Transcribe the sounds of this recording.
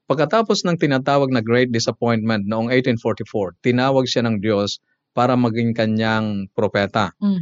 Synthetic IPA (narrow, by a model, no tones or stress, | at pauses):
pɐɡ̚kːɐt̪aːposnɐŋt̪ɪnaːt̪aːwɐɡ̚nɐɡɾejt̪̚d̪ɪsɐpojnt̪̚mɛnt̪̚noʔoŋejt̪infoɹt̪ɪfoɹt̪ɪnaːwɐɡ̚ʃanɐŋd̪jo̞s | paːɾɐmɐɡɪŋkɐɲjaŋpɾopɛːt̪ɐ